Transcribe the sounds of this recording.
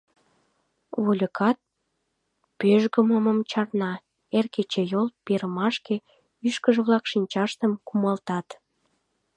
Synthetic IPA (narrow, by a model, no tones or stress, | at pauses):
βolʲəkʰɑt̪̚ | pøʒɣəməməmt͡ɕɑrnɑ | erket͡ɕejolˠpeɾəmɑʃke | yʃkəʒəβlɑkʃinʲt͡ɕɑʃt̪əmkumɑlt̪ɑt̪